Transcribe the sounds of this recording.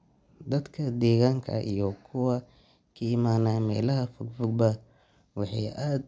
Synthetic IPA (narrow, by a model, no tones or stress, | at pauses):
d̪ɐd̪kʰɐd̪ɛːɣaːŋkʰɐ̰ʔḭjɔkʰʊwɐ | kʰɐɪmaːnaːmɛːlɐɦɐfʊɡfʊɡ̚bɐ | wɑħɑ̰jʔaːd̪̚